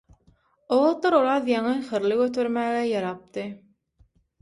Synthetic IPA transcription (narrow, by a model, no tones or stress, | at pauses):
oʁɑt̪lɑɾoɾɑːðjɑŋɯxɯɾlˠɯɡøt̪ʰøɾmæːɣæjɑɾɑp̚t̪ɯ